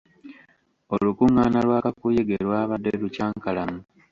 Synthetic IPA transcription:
o̞lukuŋaːnalwaːkakujeɡe̞ɾwaːβadːelucaːŋkalamu

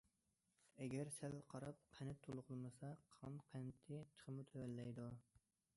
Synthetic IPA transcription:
ɛɡʲæɾsælqʰɑɾɑp̚qʰænɪt̪ʰolˠʁəlˠmɨsɑqʰəʁɑnqʰænt̪ʰːɪt͡ʃʰə̥χʰəmut̪ʰɛwælːɛjd̪u

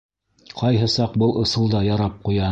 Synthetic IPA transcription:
qʰɑjɦɤsɑq̚bɤlˠʔɤ̆sɤ̆lˠd̪ɑjɑɾɑp̚qujɑ

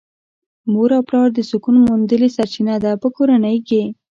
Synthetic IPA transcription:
moɾawplɑɾd̪əsʊkunomund̪əlesaɾt͡ʃinad̪apəkoɾanəjke

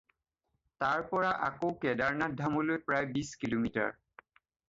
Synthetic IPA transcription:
taɹpɔɹaʔakowkɛdaɹnadʱamolojpɹajbiskilomita̰ɹ

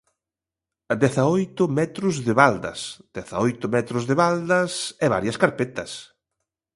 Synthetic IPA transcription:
ɐd̪ɛθɐojt̪ʊmɛt̪ɾʊzðɪβald̪ɐ̰sd̪̥ɛθa̰ojt̪ʊmɛt̪ɾʊzðɪβald̪ɐsɛβa̰ɾjɐskaɾpet̪ɐs

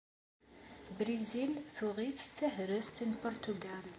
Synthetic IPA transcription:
bɾizilθuʁiθt̪t͡sːəhɾəst̪inpɔɾt̪uɡæl

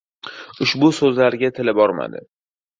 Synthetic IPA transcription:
ʊʃbʊsɵzlaɾɡʲat̪ʰɪlɪbɒɾma̰d̪ɪ̰

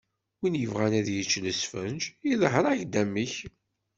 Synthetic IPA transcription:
winjəvʁænæðjət͡ʃːləsfənd͡ʒiðˤəɦɾˤaʝd̪æmːiç

